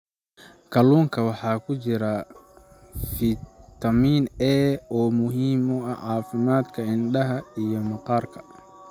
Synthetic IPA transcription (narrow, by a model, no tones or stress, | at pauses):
kʰɐluːŋkʰɐwɑħɑːkʰʊt͡ʃɪɾɐ | fɪt̪ʰɐmiːnɛːɔːmʊɦiːmɔɐʕɑːfɪmaːd̪kʰɐɪnɖɐɦɐijɔmɑqɑːrkʰɐ̥